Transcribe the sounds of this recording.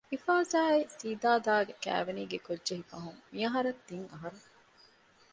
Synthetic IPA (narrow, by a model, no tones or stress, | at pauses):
ifaːzaːisiːd̪aːd̪aːɡekæ̰ːʋeniːɡekodʒeɦifɐɦuŋmiɐɦɐɾɐt̪ːiŋɐɦɐɾɐ